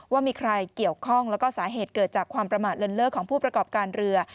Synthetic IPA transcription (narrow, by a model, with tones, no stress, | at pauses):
waː˥˩miː˧kʰɾa˧jki˨˩əwkʰɔ˥˩ŋlɛ˦˥wkɔː˥˩saː˩˦ɦeː˨˩t̪̚kɤː˨˩t̪̚t͡ɕaː˨˩kʰwaː˧mpɾa˧maː˨˩t̪̚ɾɤ˧nlɤː˥˩kʰːɔː˩˦ŋpʰuː˥˩pɾa˧kɔː˨˩p̚kaː˧nɾɯ˧ɐ